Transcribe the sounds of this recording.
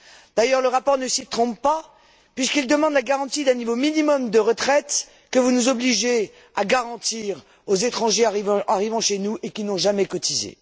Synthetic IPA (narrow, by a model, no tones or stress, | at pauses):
d̪̥ajœʁləʁapɔʁnəsit̪χɔ̃ppa | pɥiskild̪əmɑ̃d̪laɡaʁɑ̃t̪id̪ɛ̃nivominimɔmd̪əʁət̪χɛt̪ | kəvunuzɔbliʒe | aɡaʁɑ̃t̪iʁ | ozet̪χɑ̃ʒeaiṽaʁivɑ̃ʃenuʔekʲinɔ̃ʒamɛkɔt̪izḛ